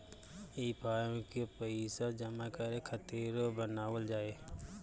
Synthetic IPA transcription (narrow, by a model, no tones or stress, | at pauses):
iːpaːjõkepəisad͡ʒəmakəɾekʰət̪eːɾobənaːwəld͡ʒaːe